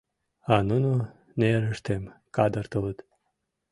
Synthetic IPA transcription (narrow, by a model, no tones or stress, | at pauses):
ɑnunu | neɾəʃt̪emkɑd̪ərt̪ələt̪